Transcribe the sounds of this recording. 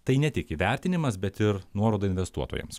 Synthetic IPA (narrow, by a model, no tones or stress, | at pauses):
t̪ɐɪnʲɛt̪ʲɪkiʋʲæˑɾʲt̪ʲɪnʲɪmɐsbʲɛt̪ɪɾnuɔɾoːd̪ɐɪnʲʋʲɛst̪uɔt̪o̰jɛ̰ms